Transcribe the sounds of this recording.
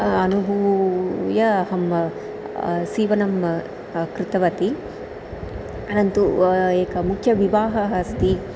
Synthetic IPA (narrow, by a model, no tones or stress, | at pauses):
ɐnubʱu | jɐɦɐm | siːʋɐnɐm | kɾɪt̪ɐʋɐt̪i | ɐnɐnt̪ueːkɐmukʰjɐʋiʋaːɦɐɦɐst̪i